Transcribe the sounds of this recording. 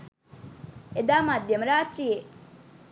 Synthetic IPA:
ed̪aːmad̪ʱjəmɾaːt̪ɾije

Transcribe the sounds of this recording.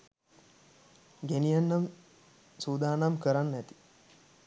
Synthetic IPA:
ɡenijanːɐm | suːd̪aːnamkəɾanːæt̪i̥

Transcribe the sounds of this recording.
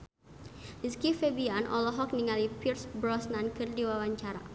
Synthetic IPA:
diskifebianʔɔ̰lɔɦɔk̚niŋalipirsbɾɔsnankɨrdiwawaɲt͡ʃaɾa̰

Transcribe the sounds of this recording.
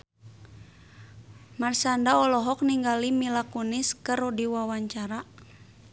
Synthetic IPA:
marsandaɔlɔɦɔk̚niŋɡalimilakuniskəɾudiwawaɲt͡ʃaɾa

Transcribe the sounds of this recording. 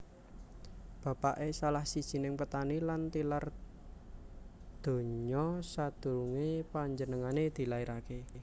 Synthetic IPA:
b̥a̤paʔesalahsid̥ʒ̥i̤nɪŋpət̪anilant̪ilar | d̪̥o̤ɲɔsad̪̥uɾuŋepaɲd͡ʒənəŋaned̪̥i̤laiɾake

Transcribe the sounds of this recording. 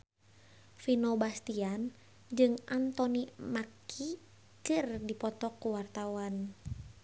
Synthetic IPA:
finobast̪ian | d͡ʒɨŋʔant̪ɔnimakʰi | kɨrdipɔt̪ɔkuwart̪awan

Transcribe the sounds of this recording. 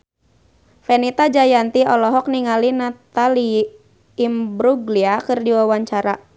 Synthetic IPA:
fɛnit̪ad͡ʒajant̪iɔlɔɦɔk̚niŋalinat̪aliː | mbɾuɡliakɨrdiwawaɲt͡ʃaɾa

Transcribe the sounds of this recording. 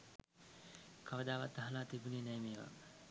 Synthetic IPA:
kʰaʋəd̪aːʋat̪̚d̪aɦəlaːt̪ibuneːnɛjmeːʋa̰

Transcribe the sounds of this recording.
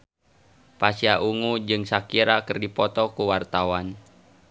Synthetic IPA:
pasiaʔuŋud͡ʒɨŋsakiɾakɨrdipɔt̪ɔkuwart̪awan

